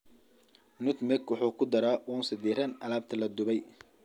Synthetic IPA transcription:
nʊt̪mɛkwʊħuːkʰʊd̪ɐɾaːʔuːnsɪd̪iːɾɐnɐlaːb̚t̪ʰɐlɐd̪ʊβɛj

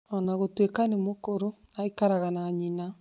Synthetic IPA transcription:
ɔnaɣotwekanemokoɾo | aikaɾaɣanaːɲina

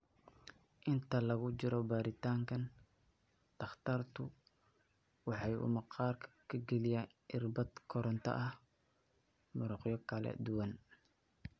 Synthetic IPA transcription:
ʔɪnt̪ʰɐlɐɣʊt͡ʃɪɾɔbaːɾɪt̪ʰaːŋkʰɐn | t̪ʰɐχt̪ʰart̪ʰʊ | wɑħɑjʔʊ̰mɐqɑːrkʰkʰɐɡɛlɪjaːnʔɪrbɐd̪kʰɔɾɔnt̪ʰɐ̰ʔɐh | mʊɾʊqjɔkʰɐlɛ̰d̪ʊwɐn

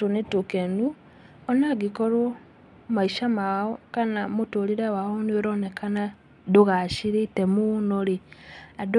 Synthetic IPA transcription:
tonetokenu | ɔnaɡikɔɾo | maiʃamaɔkanamotoɾiɾewaonoɾɔnekʰana | doɣaʃiɾetɛmunoɾead

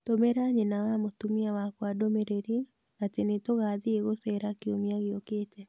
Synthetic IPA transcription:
tomeɾaɲenawamotumiawakwadomeɾeɾi | atenetoɣaðieɣosɛɾakiomiaɣeokeːtɛ

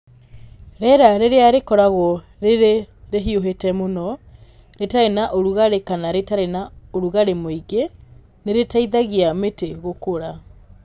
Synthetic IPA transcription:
ɾɛɾaɾeɾeaɾekɔɾaɣɔ | ɾeɾeɾeɦioɦetɛmonɔ | ɾetaɾenaʔoɾuɣaɾekanaɾetaɾenaoɾuɣaɾemoiɡe | neɾetaiðaɣiameteɣokoɾa

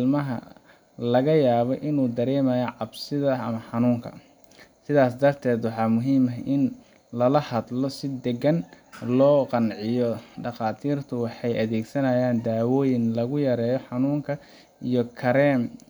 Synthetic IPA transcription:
lmɐɦɐ̰ | lɐɣɐjaːβɔʔɪnuːd̪ɐɾɛːmɐjɔʕɑbsɪðɐɐmɐħɑnuːŋkʰɐ̰ | sɪðaːsd̪ɐrt̪ʰɛːd̪wɑħɑːmʊɦiːmɐɦɪn | lɐlɐhɐd̪lɔsɪd̪ɛɡɐnlɔːqɑnʕɪjɔɖɑqɑːt̪ʰiːrt̪ʰʊwɑħɑjʔɐðɛːɡsɐnɐjaːnd̪aːwɔːjɪnlɐɣʊjɐɾɛːjɔħɑnuːŋkʰɐ | ijɔkʰɐɾɛːm

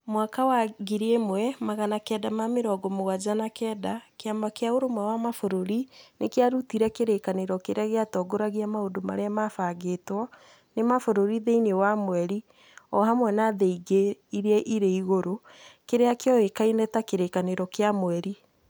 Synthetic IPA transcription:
mwakawaɡiɾemwɛmaɣanakɛdamameɾɔːɡɔmoɣad͡ʒanakɛːdakeambakeaoɾomwawamafoɾoɾinekeaɾutiɾɛkeɾekaneɾɔkeɾeaɣeatɔːɡoɾaɣiamaodoma̰ɾeamafaɡetwɔ | nemafoɾoɾiðeinwamwɛɾi | ɔhamwɛnaðeiɡeiɾeɛʔiɾeiɣoɾokeɾeakeɔekainɛtakeɾekaneɾɔkeamwɛɾi

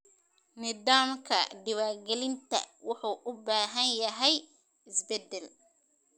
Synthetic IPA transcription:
nɪðaːmkʰɐɖɪwaːrɡɛlɪnt̪ʰɐ̰wɑħuːʔʊbaːɦɐnjɐɦɛj | ɪsbɛd̪ɛl

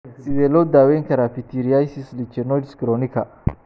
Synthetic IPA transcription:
sɪbɛlɔd̪aːwɛŋkʰɐɾaːfit̪ʰiɾijasislit͡ʃɛnɔdskɾɔnikʰɐ

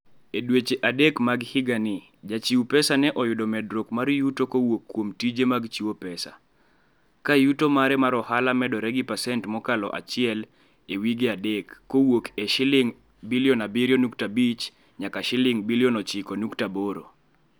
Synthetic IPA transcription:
edwet͡ʃeʔadekmaɡhɪɡanɪ | d͡ʒat͡ʃiwpɛsanɛʔɔjʊdɔmɛdɾokmaɾjutokowokːwomtid͡ʒemaɡt͡ʃiwopɛsa̰ | kajutomaɾɛmaɾɔhalamɛdɔɾɛɡipasɛntmɔkalɔ̰ʔa̰t͡ʃɪɛl | ewiɡeadekːowokeʃɪlɪŋ | biljɔnabiɾjonuktabit͡ʃ | ɲakaʃɪlɪŋbiljɔnɔt͡ʃɪkɔnuktaboɾo̰

